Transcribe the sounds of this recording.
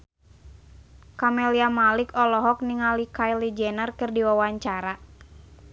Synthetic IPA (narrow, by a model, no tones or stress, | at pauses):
kamɛliamalikɔlɔɦɔk̚niŋalikajlid͡ʒɛnərkɨrdiwawaɲt͡ʃaɾa